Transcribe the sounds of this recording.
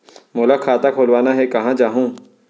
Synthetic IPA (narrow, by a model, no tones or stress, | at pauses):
mʊlakʰaːt̪akʰoːlʋaːnaɦɛkɐɦãd͡ʒaːɦũː